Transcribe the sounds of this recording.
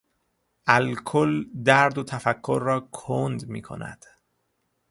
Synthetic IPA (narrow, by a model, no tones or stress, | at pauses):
ʔælkʰold̪æɾd̪ot̪ʰæfækʰːoɾːɒːkʰond̪mḭːkʰo̰næ̰d̪̥